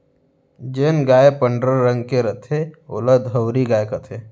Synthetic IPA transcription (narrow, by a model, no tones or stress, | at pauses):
d͡ʒeːnɡaːepəɳɖɾəɾːə̃ŋɡkeɾət̪ʰeʊ̰ləd̪ʱɦəwɾiɡaːekət̪ʰe